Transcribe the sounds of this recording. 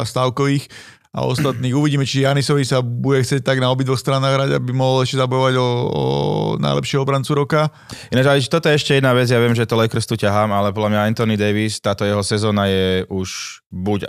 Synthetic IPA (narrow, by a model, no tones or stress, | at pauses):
ast̪aːʊkɔʋiːx | a̰ɔ̰st̪at̪niːɣuʋiɟiːmɛt͡ʃijanisɔʋisabuɟɛxtt͡sɪɛc̚t̪aɡnaɔbid̪ʋɔxst̪ɾanːaːɣɦɾaɟa̰bimɔɦɔlɛʃcɛzabɔjɔʋaɟɔɔ̰na̰ɪjlʔɛ̰pʃɪɛɦɔɔbɾant͡suɾɔka | inad͡ʒat͡ʃt̪ɔt̪ɔjɛɛʃcɛjɛd̪naːʋɛd͡zjaʋɪɛmʒɛt̪ɔlɛkr̩st̪ucaɦaːmalɛp̬ɔd̪lamɲaɛnt̪ɔnid̪ɛjʋist̪aːt̪ɔjɛɦɔsɛzɔːnajɛʔuʃ | buc